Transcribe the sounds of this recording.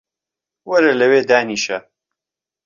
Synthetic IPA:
wɐɾelɐweːd̪aːniːʃɐ

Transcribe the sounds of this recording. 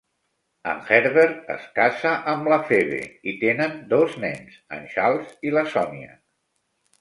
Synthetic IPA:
ə̰nxɛɾβeɾə̰skasəʔəmləfeβḛit̪enənd̪oznɛnzə̰nʃalˠziləsɔniə̰

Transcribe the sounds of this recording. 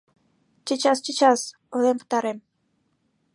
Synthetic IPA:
t͡ɕət͡ɕɑst͡ɕət͡ɕɑs | olemkə̥t̪ɑɾem

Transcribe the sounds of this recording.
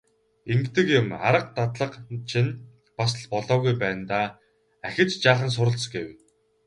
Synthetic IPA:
emkt̪ɘ̆kjʊma̰ɾə̆q̚t̪at̪ɮə̆qt͡ɕʰin | pasə̆ɮpɔɮɔːɣujpæːnt̪aː | æxʲɪ̆t͡ɕt͡ɕaːχə̆ns̬ʊɾə̆ɮt͡sɡew

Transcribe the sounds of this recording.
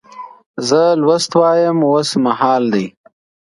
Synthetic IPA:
zəlwast̪wɑjəmwosmaɦɑːld̪ij

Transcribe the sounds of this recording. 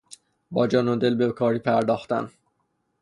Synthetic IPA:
bɒːd͡ʒɒːnod̪elbekʰɒːɾiːpʰæɾd̪ɒːxt̪æ̰n

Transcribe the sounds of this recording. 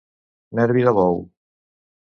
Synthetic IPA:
nɛɾβiðaβɔw

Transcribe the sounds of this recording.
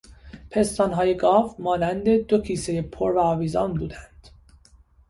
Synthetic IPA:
pʰe̞st̪ɒːnɦɒːje̞ɡɒːvmɒːnænd̪e̞d̪o̞cʰiːse̞jepʰoɾvæɒːviːzɒ̰ːnbuːd̪ænd̪̥

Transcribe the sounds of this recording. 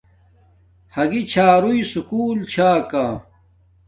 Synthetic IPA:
hɐɡit͡ɕʰaːɾuisukuːlt͡ɕʰaːkaː

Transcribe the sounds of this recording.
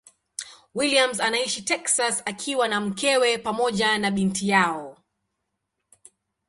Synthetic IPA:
wiliamzanaiʃitɛksasakʰiwanam̩kɛwɛpamɔʄanaɓintijaɔ

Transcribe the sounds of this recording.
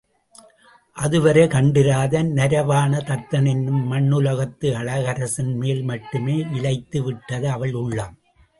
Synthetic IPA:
ʔɐðɯʋɐɾɐɪkɐɳɖɪɾaːðɐnnɪɾɐʋaːnɐt̪ɐɾt̪ːɐnɪnɯmːɐɳːɯlɐɣɐt̪ːɯɐɭɐɣɐɾɐsɪnmeːlmɐʈːɯmeːʔɪlɐɪt̪ːɯʋɪʈːɐðɯɐʋɐɭʊɭːaːm

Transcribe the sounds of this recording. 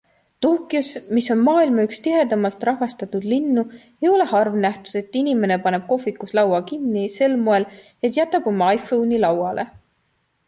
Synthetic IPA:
t̪oːkːˑiusmiso̞nmɑːilmɑykst̪iɦe̞d̪ɑmɑlt̪ˑrɑɦvɑst̪ɑt̪ud̪̥linːu | e̞jo̞le̞hɑrvnæht̪ud̪̥e̞t̪ːˑinime̞ne̞pɑne̞b̥̚ko̞fikːuslɑwɑkinːise̞lmoe̞l | et̪jæt̪ːˑɑb̥o̞mːɑɑjfownilɑwɑlʔe̞

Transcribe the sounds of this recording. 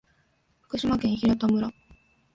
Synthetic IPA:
ɸɯ̥kɯ̟ɕimakẽ̞ɰ̃çiɾet̪omɯ̟ɾa

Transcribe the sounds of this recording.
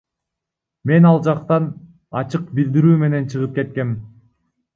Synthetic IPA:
me̞nɑlˠd͡ʒɑqt̪ɑn | ɑt͡ʃɯq̚bild̪iɾyːme̞ne̞nt͡ʃʰɯʁɯp̚ke̞t̪̚ke̞m

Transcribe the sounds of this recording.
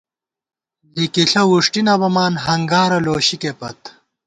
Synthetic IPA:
likiɬɐwuʂʈinɐbɐmaːnɦɐŋɡaːɾɐloːɕikepɐ̰t̪

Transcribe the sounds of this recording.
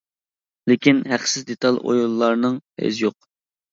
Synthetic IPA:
lɪkʲinɦæqsɪzd̪et̪ʰɑlˠo̰jolˠːɑɾnɨŋhḛzɪjoq̚

